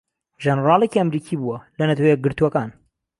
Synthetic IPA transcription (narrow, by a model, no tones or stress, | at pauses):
ʒɛnɾɑːlˠeciɐmɾiːkʰiːbuwɐlɐnɐt̪ʰɐwɐjeɛɡɨɾt̪uwɐkaːn